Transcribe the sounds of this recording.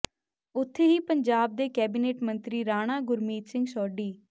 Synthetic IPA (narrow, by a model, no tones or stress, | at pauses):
ʊt̪ʰːeːɦiːpəɲd͡ʒaːb̚d̪eːkɛːbiːneːʈmənt̪ɾiːɾaːɽ̃aːɡʊɾmiːt̪sɪ̃ŋɡsɔːɖiː